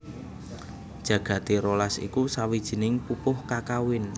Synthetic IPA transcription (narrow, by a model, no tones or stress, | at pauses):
d̥ʒ̥ä̤ɡ̥ä̤t̪eɾolasḭkusawid̥ʒ̥i̤nɪŋpupʊhkakawɪn